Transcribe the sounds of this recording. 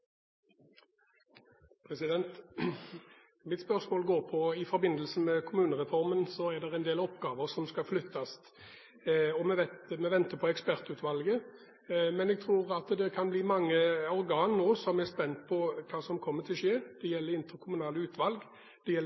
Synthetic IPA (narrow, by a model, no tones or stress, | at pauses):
pʰʁɛsɪd̪ɛnt̪ | mɪt̪spœʁsmoːlɡoːʁpʰɔɪfɔɾbɪnd̪əlsəmɛkʰʊmʉːnəʁɛfɔɾmənsɔæʁd̪ɛʁɛɪnd̪eːlɔpɡɑːʋəɾsɔmskɑflʏt̪ʰːɑst̪ | ɔmɛʋɛt̪mɛʋɛnt̪əpʰɔɛkspæʁt̪ʉːt̪ʋɑlɡə | mɛnɛɡ̚t̪ʰʁuːɾɑt̪d̪ɛkʰɑnbliːmɑŋːəɔɾɡɑːnnoːsɔmɛɾspɛnt̪pʰɔkʰɑːsɔmkʰɔmːət̪ʰɪlʂeːd̪̥ɛjɛlːəɾɪnt̪əɾkʰʊmʉnɑːləʉːt̪ʰʋɑlɡ | d̪̥ɛjɛlː